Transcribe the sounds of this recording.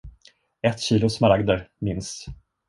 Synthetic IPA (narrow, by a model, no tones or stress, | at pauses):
ɛt̪ːɕiːlʊsmaɾaɡd̪əɾmɪns